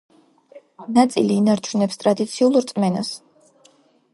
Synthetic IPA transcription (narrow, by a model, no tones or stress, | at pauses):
nat̪sʼḭliːnaɾt͡ʃʰunɛpst̪ʼɾad̪it̪sʰiulˠɾt̪sʼmɛnas